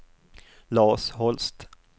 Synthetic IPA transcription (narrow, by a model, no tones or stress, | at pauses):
lɑːʂhɔlst̪